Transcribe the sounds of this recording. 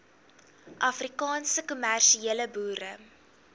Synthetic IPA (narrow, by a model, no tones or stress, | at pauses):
ʔɐfrikɑːnsəkumærʃieələbuːɾə